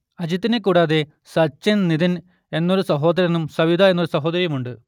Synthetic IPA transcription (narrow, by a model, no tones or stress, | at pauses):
ɐd͡ʑit̪ːinekːuːɽaːðe̞ | sɐt͡ɕːenniðin | e̞nːo̞ɾusɐɦo̞ːd̪ɐɾɐnumsɐʋid̪ɐe̞nːoɾusɐɦo̞ːd̪ɐɾjɐmuɳɖɨ